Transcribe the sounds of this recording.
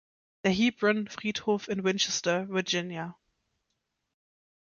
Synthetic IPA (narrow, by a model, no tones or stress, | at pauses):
ðəɦiːbɹə̃nfʁ̥iːthoːfɪ̃nwɪ̃nt͡ʃɛstəvəd͡ʒɪnja